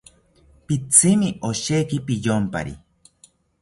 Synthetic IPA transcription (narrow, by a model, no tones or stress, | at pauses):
pit͡sʰimiʔoʃekipijompa̰ɾḭ